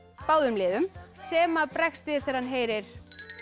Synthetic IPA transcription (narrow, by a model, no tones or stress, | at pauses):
paːwðʏmlɪːðʏmsɛːmaðpɾɛxst̪vɪðθɛɾ̥hanɦeːjɾɪɾ̥